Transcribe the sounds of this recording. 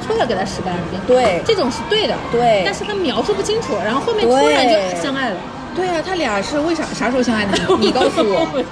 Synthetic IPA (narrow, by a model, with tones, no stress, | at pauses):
ʈ͡ʂʰwɔ˥˩kɪt̪ʰa˥ʂɻ̩˧˥pa˧˥n˥˩jɛ˥nt̪wwe˥˩ɪʈ͡ʂɤ˥˩ʈ͡ʂʊ˨˩ŋʂɻ̩˥˧t̪we˥˩ɪd̪ə˩t̪we˥˩ɪa˥˧nʂɻ̩˥˩t̪ʰa˥mjɑ˧˥ʊʂu˥˧p̬u˥˩t͡ɕʰi˥ŋʈ͡ʂʰu˨˩ɻa˧˥nxo˥˧xo˥˧mjɛ˥˩u˥ɻa˧˥njo˥˩xə˨˩ɕjɑ˥ŋa˥˩ɪlə˩ | t̪we˥˩ɪa˨˩t̪ʰa˥ljɑ˨˩ʂɻ̩˥˧we˥˩ɪʂɑ˨˩ʂa˧˥ʂo˥ʊɕjɑ˥ŋa˥˩ɪd̪ə˩˥˩ni˨˩kɑ˥˧ʊsu˨˩wɔ˨˧˦